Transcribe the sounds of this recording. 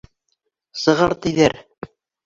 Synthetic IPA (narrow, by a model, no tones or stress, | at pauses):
sɤ̆ʁɑɾt̪ɘ̆jðæɾ